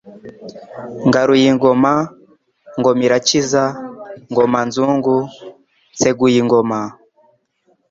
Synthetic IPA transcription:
ŋɡaɾujiŋɡɔma | ŋɡɔmiɾat͡ʃizaŋɡɔmanzuŋɡu | nt͡sɛɡujiŋɡɔma

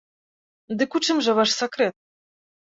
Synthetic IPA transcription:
d̪ɨkut͡ʂɨmʐɐvaʂsakɾɛt̪̚

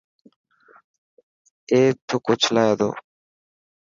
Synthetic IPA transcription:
eːt̪ʰokot͡ʃʰlajad̪o̰ː

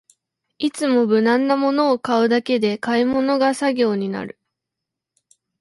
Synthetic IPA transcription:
it͡sɨmo̞bɯ̟nãnːamo̞no̞ːkaɯ̟d̪ake̞d̪e̞kaimo̞no̞ɡasaɡʲo̞ːɲ̟ina̰ɾɯ̟

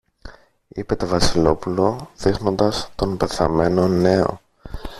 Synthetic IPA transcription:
ipe̞t̪o̞vɐsilo̞pulo̞ðixno̞nd̪ɐst̪o̞npe̞θɐme̞no̞ne̞o̞̰

